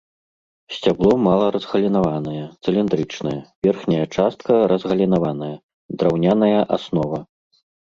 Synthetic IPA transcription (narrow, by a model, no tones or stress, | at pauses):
sʲt͡sʲablˠɔmalˠɐɾɐzɣɐlʲinavanɐjɐt̪sɨlʲind̪ɾɨt͡ʂnɐjɐvʲɛrxnʲɐjɐt͡ʂast̪̚kɐɾɐzɣɐlʲinavanɐjɐ | d̪ɾawnʲanɐjɐʔasnɔvɐ